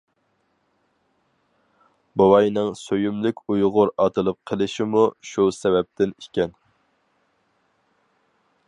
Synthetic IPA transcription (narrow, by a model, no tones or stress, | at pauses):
bowɑjnɨŋsøjymlɪkʲujʁʊɾɑt̪ʰɨlˠɨp̚qʰəlˠɪʃɪmuʃusɛvɛp̚t̪ʰɪni̥kʲɛn